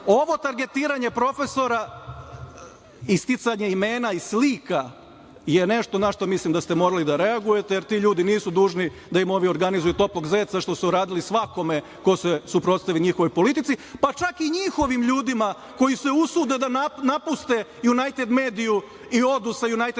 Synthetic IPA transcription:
o̞ʋo̞t̪aɾɡe̞t̪iːɾaɲepɾo̞fe̞so̞ɾa | ist̪it̪saɲe̞ime̞ːnaislika | je̞ne̞ʃt̪o̞naʃt̪o̞mislimd̪ast̪emo̞ːɾalid̪aɾeaɡuje̞t̪ejeɾt̪iʎuːd̪iniːsud̪uːʒnid̪aimo̞ʋio̞ɾɡanizujut̪o̞plo̞ɡzeːt̪saʃt̪o̞suuɾaːd̪ilisʋako̞me̞ | ko̞sesupɾot̪st̪aʋiliɲixoʋo̞jpo̞lit̪it̪sipat͡ʃakiɲixo̞ʋimʎuːd̪ima | ko̞jise̞usud̪ed̪ananapust̪e̞junajt̪e̞d̪me̞ːd̪iju | io̞d̪usajunajt̪e

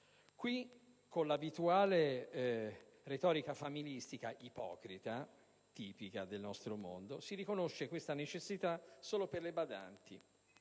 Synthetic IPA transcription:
kwi | kʰːonlabit̪uaːle | ret̪ɔːɾikafamilist̪ikaʔipɔ̰ːkɾit̪a | t̪iːpikad̪elnɔst̪ɾomo̰nd̪osiɾikonoʃːekwest̪anet͡ʃesːit̪asoːloperlebad̪a̰nt̪ḭ

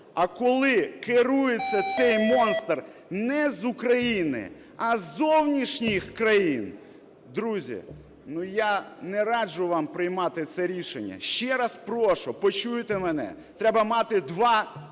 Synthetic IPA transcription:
ɐkɔlˠɪkɪɾujet͡sʲːɐt̪sɛjmɔnst̪r | nɛzukɾɐjinɪ̰ | ɐzːɔwnʲiʃnʲixkɾɐjin | d̪ɾuzʲḭ | nujanɛɾɑd͡ʒʊʋɑmpɾɪjmɑt̪ɪt̪sɛɾʲiʃenʲːɐ̰ʃt͡ʃɛɾɐspɾɔʃʊpɔt͡ʃujt̪emenɛ̰ | t̪ɾɛbɐmɑt̪ɪd̪ʋɑ

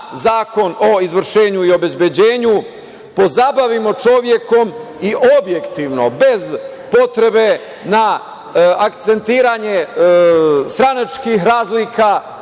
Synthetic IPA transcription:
zaːko̞no̞izʋr̩ʃe̞ːɲuio̞be̞zbje̞d͡ʑeːɲu | po̞zabaʋimo̞t͡ʃo̞ʋje̞ko̞m | iʔo̞bje̞kt̪iʋno̞be̞z | po̞t̪ɾe̞be̞ | na | akt̪se̞nt̪iːɾaɲe̞ | st̪ɾanat͡ʃkiɦɾaːzlikʰa

